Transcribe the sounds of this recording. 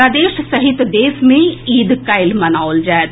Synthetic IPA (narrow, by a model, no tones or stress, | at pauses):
aːd̪eːʃsəɦɪt̪d̪eːsmẽiːd̪kaɪlmənaold͡ʒaːt̪